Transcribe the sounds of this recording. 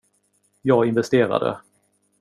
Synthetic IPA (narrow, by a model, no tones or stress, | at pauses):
jɑːɡɪnvɛst̪eːɾa̰d̪ə̰